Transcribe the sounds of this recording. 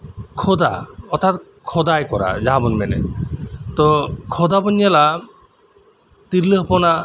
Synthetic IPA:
kʰɔd̪a̰ɔt̪ʰːat̪ | kʰɔd̪ajkɔɾa̰d͡ʑabɔnmɛnḛt̪ɔkʰɔd̪abɔnjala | t̪iɾləɦpɔna

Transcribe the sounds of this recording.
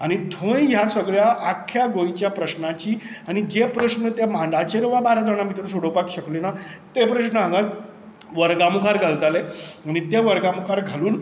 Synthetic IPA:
aɽ̃id̪ʱojjasəɡɭjaʔːkʰːjaɡõjt͡ɕjapɾəɕnat͡ɕiː | añid͡ʑepɾəɕnət̪emãɳɖat͡ɕeɾʋabaɾad͡zəɽ̃amit̪ɾunsoɽəpakɕəklenat̪epɾəɕnəɦãŋɡat̪ | ʋəɾɡamukʰaɾɡʱalt̪aleañit̪eʋəɾɡamukʰaɾɡʱaluːn

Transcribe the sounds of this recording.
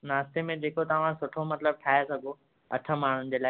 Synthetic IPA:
naːst̪emẽd͡ʑeːkot̪ɐʋ̤ãsʊʈʰomɐt̪ləb̚ʈʰaːesɐɡʱo | ɐ̰ʈʰəmaːɳ̤ʊnɪ̆d͡ʑeːlaː

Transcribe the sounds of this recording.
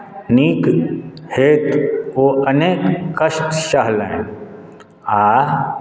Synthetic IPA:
niːkheːt̪oːəneːkːəʃʈʃaɦlḛ̃ | aː

